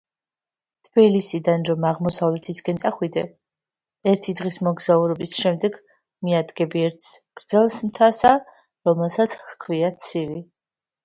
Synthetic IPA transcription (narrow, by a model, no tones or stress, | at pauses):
t̪ʰb̥ilisid̪anɾɔmaʁmɔsavlɛt̪ʰisɡɛnt̪ʼaχwid̪ɛ | ɛɾt̪ʰid̪ʁismɔɡzauɾɔbisʃɛmd̪ɛɡ | miad̪ɡɛbiɛɾt̪sʰɡ̥ɾd̪zɛlˠsmt̪ʰasa | ɾɔmɛlˠsat̪sʰχkʰviat̪sʰivi